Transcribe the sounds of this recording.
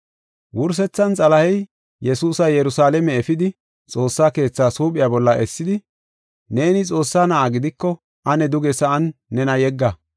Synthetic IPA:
wʊɾs̬ɛt͡sːɐnt͡sʼɐlɐhɛj | jɛsuːsɐjɛɾʊsaːlɛmɛɛfɪd̪ɪ | t͡sʼo̞ːsːaːke̞ːt͡sːaːsuːpʼɪjabɔlːɐʔɛsːɪd̪ɪ | ne̞ːnɪt͡sʼo̞ːsːaːnɐʔaːɡɪd̪ɪkːɔ | ʔɐnɛd̪ʊɡɛsɐɐnːɛnɐjɛɡːɐ

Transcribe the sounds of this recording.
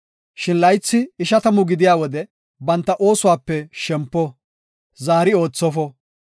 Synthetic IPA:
ʃɪnlɐjt͡sːɪːʃɐt̪ɐmʊɡɪd̪ɪjaːwɔd̪ɛ | bɐnt̪ːɐʔo̞ːsʊwaːpːɛʃɛmpːɔ | zaːɾɪo̞ːt͡sːɔfɔ

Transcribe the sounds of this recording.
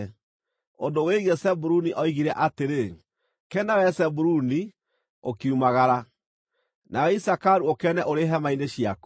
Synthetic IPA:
ondoweiɣesɛbuɾuniʔɔiɣiɾɛʔateɾe | kɛnawɛsɛbuɾuni | okiumaɣaɾa | naɣisakaɾuokɛnɛʔoɾeɦɛmaineɕiaku

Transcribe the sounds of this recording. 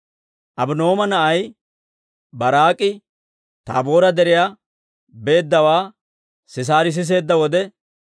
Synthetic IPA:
ʔɐbʊno̞ːmɐnɐʔɐj | bɐɾaːkʼɪ | t̪a̰ːbo̞ːɾɐd̪ɛɾɪja | be̞ːd̪ːɐwaː | sɪs̬aːɾɪs̬ɪs̬e̞ːd̪ːɐwɔd̪ɛ

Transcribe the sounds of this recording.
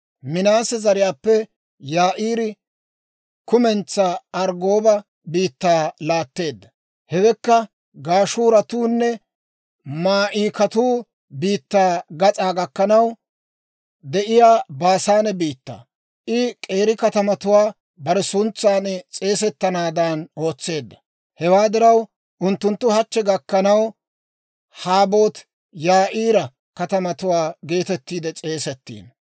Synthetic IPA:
mɪnaːsɛzɐɾɪjaːpːɛ | jaːʔiːɾɪ | kʊmɛnt͡sːaːɐɾɡo̞ːbɐ | biːt̪ːaːlaːt̪ːe̞ːd̪ːɐ | hɛɡɛkːɐ | ɡaːʃuːɾɐt̪uːnːɛ | maːʔiːkɐt̪uː | biːt̪ːaːɡɐt͡sʼaːɡɐkːɐnɐw | d̪ɛʔɪjaːbaːsaːnɛbiːt̪ːa̰ː | ʔɪkʼe̞ːɾɪkɐt̪ɐmɐt̪ʊwaː | bɐɾɛsʊnt͡sːaːnt͡sʼe̞ːsɛt̪ːɐnaːd̪ano̞ːt͡sːe̞ːd̪ːɐ̥ | hɛwaːd̪ɪɾɐw | ʔʊnt̪ːʊnt̪ːʊhɐt͡ʃːɛɡɐkːɐnɐw | haːbo̞ːt̪ | jaːʔiːɾɐ | kɐt̪ɐmɐt̪ʊwaːɡe̞ːt̪ɛt̪ːiːd̪ɛt͡sʼe̞ːsɛt̪ːḭːn

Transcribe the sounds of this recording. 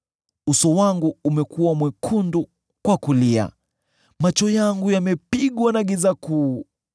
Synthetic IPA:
usɔwaŋɡuumɛkuwamwɛkʰundu | kwakulia̰ | mat͡ʃɔjaŋɡujamɛpiɠwanaɡizaku

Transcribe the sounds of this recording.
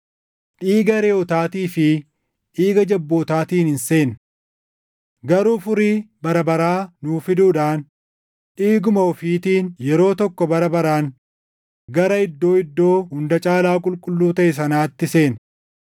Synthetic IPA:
ᶑiːɡɐɾeːɔt̪aːt̪iːfɪ | ʔiːɡɐd͡ʒɐbːo̞ːt̪aːt̪iːnhɪnse̞ːn | ɡɐɾuːfʊɾibɐɾɐbɐɾaːnuːfɪd̪uːᶑaːn | ᶑiːɡʊmɐɔfiːt̪iːnjɛɾo̞ːt̪ɔkːɔbɐɾɐbɐɾaːn | ɡɐɾɐɪd̪ːo̞ːɪd̪ːo̞ːhʊnd̪ɐt͡ʃʼaːlaːkʼʊlkʼʊlːuːt̪ɐʔɛs̬ɐnaːt̪ːɪse̞ːn

